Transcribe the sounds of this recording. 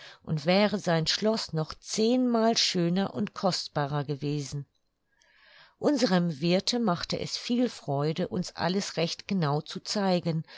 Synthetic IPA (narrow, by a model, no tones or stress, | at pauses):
ʔʊntv̥ɛːʁəzaɪnʃlɔsnɔχt͡seːnmaːlʃøːnɐʔʊntkʰɔstb̥aːʁɐɡəveːzn̩ | ʔʊnzəʁəmvɪɐtʰəmaχtəʔɛ̰sfiːlfʁ̥ɔʏdəʔʊnsʔa̰ləsʁɛçtɡ̥ənaʊt͡sut͡saɪɡən